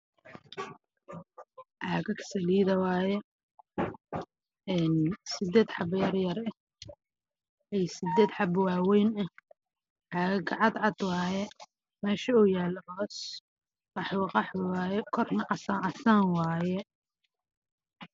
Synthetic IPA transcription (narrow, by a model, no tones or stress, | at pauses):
ʕaːɣɐkʰɐ̥sɐliːðɐwaːjɛ | ɛːnsɪd̪ɛːd̪ħɑbjɐrjɐrɛ | ɛjsɪd̪ɛːd̪ħɑbwɑːwɛjnɐ | ʕɑːɣɐɡɑʕɑd̪ʕɑd̪wɑːjɛ | mɛːʃɐʊːjaːlhɔːs | qɑħwɑqɑħwwaːjɛkʰɔrnɐʔɐsaːʔɑsaːnwaːjɛ